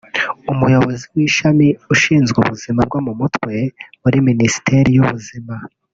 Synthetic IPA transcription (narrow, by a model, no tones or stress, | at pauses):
umujo̞βo̞ziwiːʃamiuʃiːnzɡṵβuzimab̚ɡwamumutwe̞muɾiminisi̥teɾijuβuzima